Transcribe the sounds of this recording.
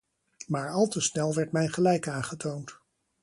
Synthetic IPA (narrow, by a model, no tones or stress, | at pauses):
maːɹɑlˠtəsnɛlˠʋɛɹtmɛjχəlɛjkaːnχətʰownt